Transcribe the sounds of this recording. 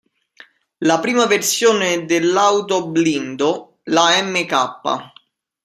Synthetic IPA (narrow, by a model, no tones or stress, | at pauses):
lapɾiːmaversjoːned̪elːawt̪oblind̪o | laɛmːekapːa̰